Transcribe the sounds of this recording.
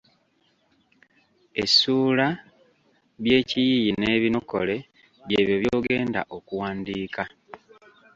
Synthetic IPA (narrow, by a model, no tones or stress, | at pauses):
e̞suːla | βje̞ːcijijine̞ːβino̞ko̰le̞ | βjeːβjoβjoːɡe̞ːnda̰ʔo̞kuwaːndiːka